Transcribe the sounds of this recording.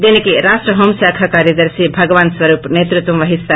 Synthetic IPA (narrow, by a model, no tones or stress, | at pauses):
d͡ʒ̪enikiɾaːʃʈɾɐɦomsaːkʰakaːɾjɐd̪ɐɾsibʱɐɡʋaːnsʋɐɾuːpneːt̪ɾut̪wɐmʋɐɦist̪a